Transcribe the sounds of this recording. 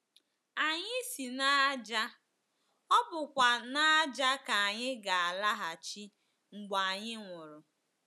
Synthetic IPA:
a˨ɲɪ˦si˨na˦d͡ʒa˦ | ɔ˦bʊ˨kʷa˨na˦d͡ʒa˦ka˨a˨ɲɪ˦ɡa˨a˨la˦ɦa˨t͡ʃi˦ | ŋ͡m̩˨ɡ͡ba˨a˨ɲɪ˦ŋʷʊ˨ɾʊ˨

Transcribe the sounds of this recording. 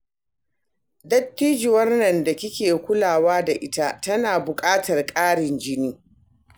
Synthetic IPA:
dɐ˦tːiː˦d͡ʒɪ˨wɐ˦rnɐ˨nda˨kʲɪ˦kʲeː˨kʷʊ˦laː˨waː˦da˨ʔɪ˦ta˦tɐ˦naː˨bʊ˨kʼaː˦tɐ˨rkʼaː˦ɽɪ˨nd͡ʒɪ˦niː˦

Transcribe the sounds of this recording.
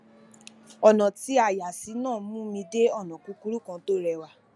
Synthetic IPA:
ɔ˨nã˨ti˦a˨ja˨si˨˦nãː˦˨˦mũ˦mĩ˧de˦ɔ˦˨nã˨ku˨˧˦ku˦ɾu˦kã˧to˦ɾɛ˧˨wa˦˨

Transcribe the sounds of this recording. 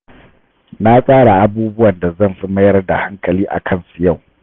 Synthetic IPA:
na˦sʼaː˦ɽa˨ʔa˦buː˦bʊ˦wɐ˨nda˨zɐ˦˨mɸi˦mɐ˦jɐ˦rda̰˨ha˦ŋkʼɐ˨liː˦ʔa̰˨kʰɐ˦nsu˨ja˦˨w

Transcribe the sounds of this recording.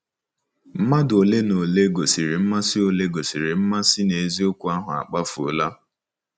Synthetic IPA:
m̩˦ma˦do˨le˦no˨le˦ɡo˨si˨ɾi˨m̩˦ma˦sɪ˦o˨le˦ɡo˨si˨ɾi˨m̩˦ma˦sɪ˦ne˨zi˦ʊ˦kʷʊ˦a˦ɦʊ̰˨a̰˨k͡pa˦fo̰˨la˦

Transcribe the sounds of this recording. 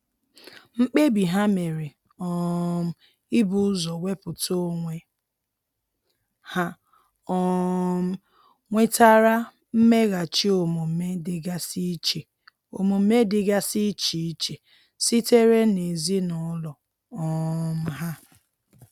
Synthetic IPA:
ŋ͡m̩˦k͡pe˦bi˨ɦa˦me˨ɾe˨ | ɔ˦m̩˦ | i˦bʊ˨ʊ˦zɔ˨wʷe˦pʊ˨to˦ŋʷe˨ | ha˦ | ɔ˦m̩˦ | ŋʷe˦ta˦ɾa˦ | m̩˦me˦ɣa˨t͡ʃi˦o˨mu˨m̩˦me˦dɪ˨ɡa˦si˦t͡ʃe˨ | o̰˨mu˨m̩˦me˦dɪ˦ɡa˦si˦t͡ʃi˨i˦t͡ʃe˨ | si˦te˦ɾe˦ne˨zi˦nɔ˨˦lɔ˨ | ɔ˦m̩˦ɦa˦

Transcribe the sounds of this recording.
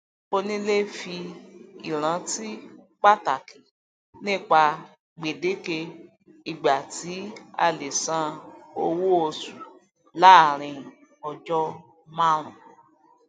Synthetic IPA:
o˧nĩ˦le˦fi˧ḭ˨ɾ̃ã˨˦ti˦ | k͡pa˦ta˨ki˨ | nĩ˦˨k͡pa˧ | ɡ͡be˨de˨˦ke˧ | i˨ɡ͡ba˨ti˨˦a̰˧le˨sã˦o˧wo˦o˧su˨ | la˦a˨ɾ̃ĩ˧˨ | ɔ˨d͡ʒɔ˦ | mã˦ɾ̃ũ˨

